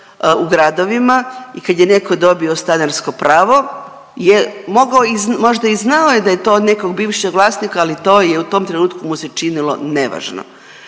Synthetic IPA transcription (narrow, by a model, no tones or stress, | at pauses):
uɡɾad̪o̞ʋimaikad̪jene̞ko̞d̪o̞bio̞st̪anaɾsko̞pɾaːʋo̞ | jemo̞ɡaoizmo̞ʒd̪aiznaojed̪ajet̪oːod̪neko̞ɡbiːʋʃeɡlˠaːsnikaːlit̪o̞ːjeut̪o̞mt̪ɾenuːt̪kumuset͡ʃinilo̰ne̞ʋa̰ʒno̰